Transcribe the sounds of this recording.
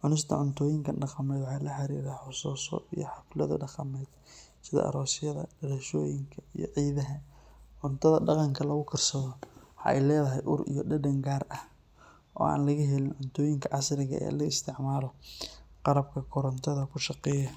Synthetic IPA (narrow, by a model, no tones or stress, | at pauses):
ʕʊnɪst̪ʰɐ̰ʕʊnt̪ʰɔːjɪŋkʰɐɖɑqɑmɛːd̪ʕaɑːlɐħɑɾiːɾɐħʊsuːsɔ̰ijɔħɑflɐðɐ̰ɖɑqɑmɛːd̪ | sɪðɐ̰ʔɐ̰ɾɔːsɪjɐðɐɖɐlɐʃɔːjɪŋkʰɐijɔ̰ʕiːðɐɦɐʕʊnt̪ʰɐðɐɖɑqɑŋkʰɐlɐɣʊkʰɐrsɐðɔhɑʔɛ̰jlɛːðɐɦɛjʔʊɾḭjɔɖɐɖɐŋɡaːrɐh | ʔɔːa̰ːnlɐɣɐɦɛlɪnʕʊnt̪ʰɔːjɪŋkʰɐʕɑsɾɪɣɐ̰ʔɛ̰ːlɐɪst̪ʰɪʕmaːlɔqɑɾɐb̚kʰɐkʰʊɾɐnt̪ʰɐðɐkʰʊʃɑqɛːjɐ